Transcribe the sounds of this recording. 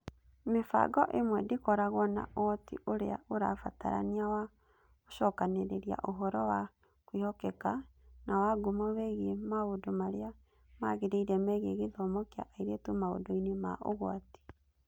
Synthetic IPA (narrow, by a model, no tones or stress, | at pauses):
mefa̰ɡɔʔemwɛdekɔɾaɣwɔna̰ʔotḭʔoɾea̰ʔoɾafata̰ɾa̰niawa | oʃɔkaneɾeɾia̰ʔoɦɔɾɔwa | kwihɔkɛkanawaɡumawɛɣemaodomaɾea | maɣeɾeiɾɛmɛɣeɣeðɔmɔkea̰ʔaiɾetomao̰doinema̰ʔo̰ɣwati̥